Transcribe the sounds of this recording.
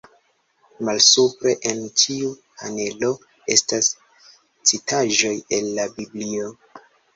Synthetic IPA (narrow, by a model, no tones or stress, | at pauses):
malsupɾe̞ʔentʰiuha̰ne̞lo̞ | e̞̰stas | t͡sitʰaʒo̞jenːabiblio̞